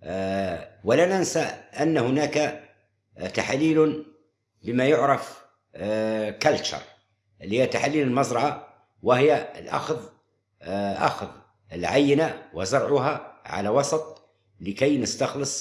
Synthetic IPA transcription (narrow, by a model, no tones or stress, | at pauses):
wəlænænsaʔanːhʊnaka | t̪aħalːiːlʊ | bəmæjʊʕɾˤɑf | kælt͡ʃɑ̰ɾˤ | ʔəlːhiːæt̪ːaħalːiːləlmɑzɾˤɑʕa | wɪhɪjalʔɑ̰xð | ʔa̰xð | əlʕajːɪnawɪzɑɾˤʕʊɦaʕa̰lawɑsˤɑt̪ˤ | ləkæjnəst̪ɑxləsˤ